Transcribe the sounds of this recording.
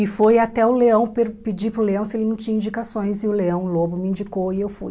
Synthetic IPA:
ɪfojat̪ɛʊleɐ̃w̃peɾpɪd͡ʒipɾʊleɐ̃w̃sɪelɪnɐ̃w̃t͡ʃĩɲɐ̃ĩd͡ʒikasõj̃zɪʊleɐ̃w̃lobʊmɪĩnd͡ʒikoɪewfṵj

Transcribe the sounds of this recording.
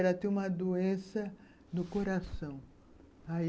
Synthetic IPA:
ɛɾɐt̪ẽũmɐd̪oẽsɐ | nʊkoɾasɐ̃w̃ | a

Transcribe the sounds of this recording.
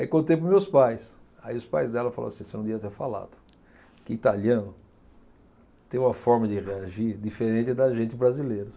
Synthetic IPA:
aikõnt̪ejpɾʊzmewspajs | aiʊspajzd̪ɛlɐfa̰lo̰ɐsĩsɪnɐ̃d̪iɐt̪eɾfala̰d̪ʊ | kɪit̪aliɐ̃nʊ | t̪ẽj̃ũmɐfɔɾmɐd̪ɪʁeaʒiɾd̪ifeɾẽnt͡ʃ̪ɪd̪ɐʒẽnt͡ʃ̪ɪbɾazilejɾɐ

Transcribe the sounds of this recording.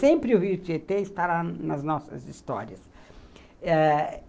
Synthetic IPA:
sẽmpɾɪʊhiʊt͡ʃet̪eist̪aɾanɐznɔsɐ̰zist̪ɔɾiɐs | ɛ

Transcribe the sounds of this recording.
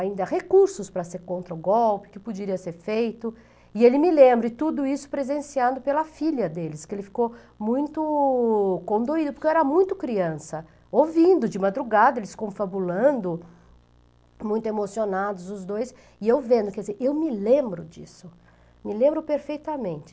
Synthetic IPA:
aĩnd̪ɐhekuɾsʊspɾɐseɾkõnt̪ɾɐʊɡɔwpɪ̥kɪpod͡ʒɪɾiɐseɾfejt̪ʊ | ɪelɪmɪlẽmbɾʊɪt̪ud̪ʊisʊ̥pɾezẽsiɐ̃nd̪ʊpelɐfiʎɐd̪elɪskɪelɪfi̥ko | mũj̃t̪ʊ | kõnd̪oid̪ʊpoɾkewɛɾɐmũj̃t̪ʊkɾiɐ̃sɐ | ovĩnd̪ʊd͡ʒɪmad̪ɾuɡad̪ɐelɪskõfabulɐ̃nd̪ʊ | mũj̃t̪ʊemosionad̪ʊzʊzd̪ojs | ɪewvẽnd̪ʊkɛd͡ʒɪzeɾʔewmɪlẽmbɾʊd͡ʒisʊ | mɪlẽmbɾʊpeɾfejt̪ɐmẽnt͡ʃɪ̥

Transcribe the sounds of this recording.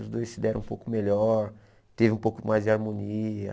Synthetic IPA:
ʊzd̪ojssid̪ɛɾɐ̃ũpowkʊmeʎɔɾ | t̪evɪũpowkʊmajzd͡ʒɪaɾmõniɐ

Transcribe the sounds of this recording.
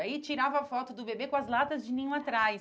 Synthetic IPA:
ait͡ʃiɾavɐafɔt̪ʊd̪ʊbebekõɐzlat̪ɐzd͡ʒɪnĩɲũat̪ɾajs

